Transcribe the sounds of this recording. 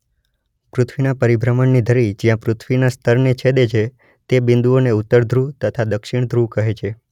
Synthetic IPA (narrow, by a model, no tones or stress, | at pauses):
pɾʊt̪ʰʋinapəɾibɾəmənːid̪ʱəɾid͡ʒijãpɾʊt̪ʰʋinast̪ʰəɾnet͡ʃʰed̪et͡ʃʰe | t̪ebɪ̃nd̪uoneut̪ːəɾd̪ʱɾut̪ət̪ʰad̪əkʃiɳ̃d̪ʱɾukəɦet͡ʃʰe